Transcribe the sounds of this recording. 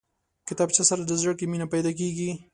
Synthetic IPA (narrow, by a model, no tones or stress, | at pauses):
kɪt̪abt͡ʃasaɾad̪əzəɽkeminapajd̪ak̬eɡi